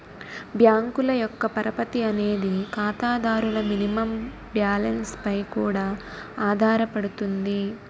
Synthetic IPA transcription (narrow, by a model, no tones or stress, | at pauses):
bʱjaːŋkulɐjɔkːɐpɐɾɐpɐt̪iɐne̞ːd̪ikaːt̪aːd̪aːɾulɐminimɐm | bjaːlɐnspɐjkuːɽaː | aːd̪ʱaːɾɐpɐɽut̪und̪i